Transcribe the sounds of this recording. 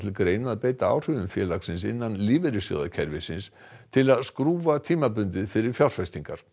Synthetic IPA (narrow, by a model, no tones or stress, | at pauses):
t̪ʰɪlkɾeːjnaaðpeːjt̪aa̰ːwr̥ʏðʏmfjɛːlaksɪns̬ɪ̰nːanliːvɛɾɪsjœ̰ða̰cʰɛɾvɪsɪns | t̪ʰɪlaðskɾuːvat̪ʰiːmapʏnt̪ɪðfɪɾɪɾ̥fjawr̥fɛst̪iŋkaɾ̥